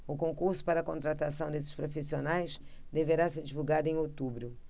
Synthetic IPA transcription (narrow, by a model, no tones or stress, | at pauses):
ʊkõŋkuɾsʊ̥paɾɐkõt̪ɾat̪asɐ̃w̃d̪esɪ̥ʃpɾofisionajsd̪eveɾaseɾd͡ʒivuɡad̪ʊẽj̃ot̪ubɾʊ